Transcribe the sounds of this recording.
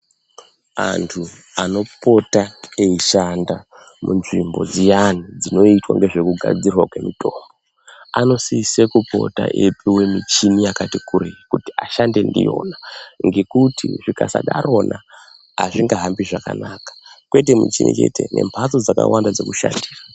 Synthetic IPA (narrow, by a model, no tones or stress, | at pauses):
antʰu | ano̞po̞taeiʃanda | munʐimbo̞d͡zijanid͡zino̞itwaŋɡe̞ʐe̞kuɡʱa̰d͡zirwakwe̞mitʰo̞ːmbo | ano̞sisekupo̞̰ta̰ʔepʰiwe̞mit͡ʃinijakatikuɾekuti̥aʃande̞ndḭjo̞naŋɡe̞kutʰiʐikasa̰ɗaɾo̞na | aʐiŋɡaɦambiʐakanakḁkwe̞t̬e̞mit͡ʃinḭt͡ʃe̞te̞nʔe̞̰mpʰaso̞d͡zaka̰wandad͡ze̞̰kuʃandiːra